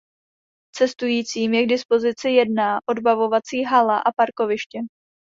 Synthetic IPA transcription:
t͡sɛst̪ujiːt͡siːmjɛɡdɪspo̞zɪt͡sɪjɛdnaʔo̞dbavo̞vat͡siːɦalaʔapaɾko̞vɪʃcɛ

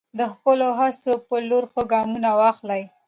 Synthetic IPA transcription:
d̪əxpəloɦasopəloɾxəɡɑmunawɑxlaj

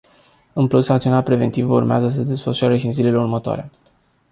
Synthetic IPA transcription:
ɨnplusakt̪ionat̪pɾe̞ve̞nt̪ivəurmeazəs̬əd̪e̞sfəʃoaɾeʃiɨnzile̞le̞urmət̪oa̰ɾe

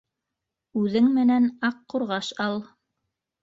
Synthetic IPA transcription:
ʉðɘŋmɘ̆nænɑqːuɾʁɑʃɑlˠ

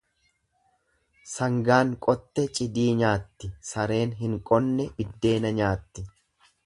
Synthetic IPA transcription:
sɐŋɡaːŋkʼɔt̪ːɛt͡ʃʼɪd̪iːɲaːt̪ːɪsɐɾe̞ːnɦɪŋkʼɔnːɛbɪd̪ːe̞ːnɐɲaːt̪ːɪ

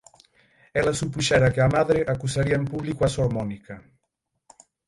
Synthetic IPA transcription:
ɛlasupuʃɛɾakeamaðɾeʔakusaɾiaempuβlikuasomɔnika

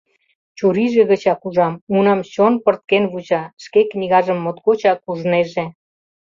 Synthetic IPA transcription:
t͡ɕuɾiʒeɣət͡ɕɑkuʒɑmunɑmɕonpərt̪̚kenβuʑɑʃkeknʲiɣɑʒə̆mːot̪kot͡ɕɑkuʒneʒe

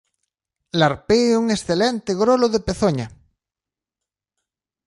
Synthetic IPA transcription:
laɾpeuŋesθelent̪eɣɾoloðepeθoɲa

